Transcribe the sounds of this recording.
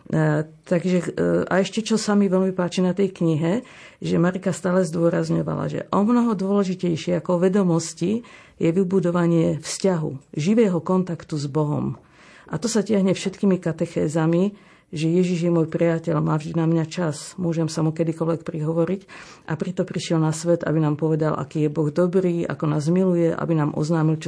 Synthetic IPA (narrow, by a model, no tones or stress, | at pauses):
t̪aɡʒɛa̰ɛʃcɛt͡ʃɔsamiʋɛlmipaːt͡ʃinat̪ɛjkɲiɦɛ | ʒɛmaɾikast̪aːlɛzd̪ʊɔɾazɲɔʋa̰la̰ʒɛ̰ʔɔmnɔɦɔd̪ʊɔlɛʒicɛjʃɪɛakɔɔʋɛd̪ɔmɔsci | jɛʋibud̪ɔʋaɲɪɛfscaɦṵʒiʋɛːɦɔkɔnt̪akt̪uzbɔɦɔ̰m | ʔat̪ɔsacɪaɦɲɛfʃɛt̪kimikat̪ɛxɛːzami | ʒɛjɛʒiʒjɛmuɔːjpɾiacɛʎmaːvʒd̪inamɲat͡ʃasmʊɔʒɛmsamukɛd̪ikɔlʋɛk̚pɾiɦɔʋɔɾicʔapɾit̪ɔpɾiʃɪɛlnasʋɛd̪a̰binaːmpɔʋɛd̪alʔa̰kiːjɛbɔɣd̪ɔbɾiːa̰kɔnaːzmilujɛʔa̰binaːmʔɔ̰znaːmilt͡ʃ